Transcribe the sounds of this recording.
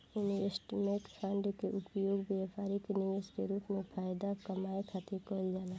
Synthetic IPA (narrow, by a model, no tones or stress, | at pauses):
ʊniɪsʈmeʈpʰəɳɖkeʔʊpjoːɡbaːpaːɾikenijəskeɾuːpmẽpʰaːjd̪akɐmaːekʰat̪ikoːld͡ʒaːla